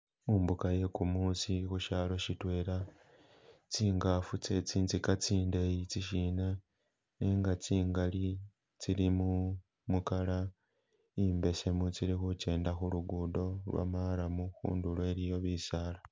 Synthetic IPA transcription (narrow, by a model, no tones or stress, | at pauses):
muːmbukaje̞kumusixuʃaːlo̞ʃitwe̞ːɾa | t͡siːŋɡafut͡se̞t͡siːnt͡sikat͡siːndejit͡siʃina | neːŋɡat͡siːŋɡali | t͡silimu | mukala | imbe̞se̞mut͡siɾixut͡ʃe̞ːndaxuluɡudo̞lwa̰maɾamuxṵːndulwe̞ɾijo̞βisaːla